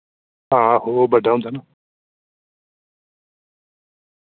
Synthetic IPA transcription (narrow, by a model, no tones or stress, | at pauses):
ɦãɦobəɖʱaɦũnd̪aːnaː